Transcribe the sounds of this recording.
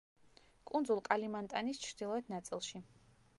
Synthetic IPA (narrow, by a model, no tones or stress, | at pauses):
kʼund̪zulˠkʼalimant̪ʼanist͡ʃʰɾd̪ilˠɔɛt̪ʰnat̪sʼilˠʃi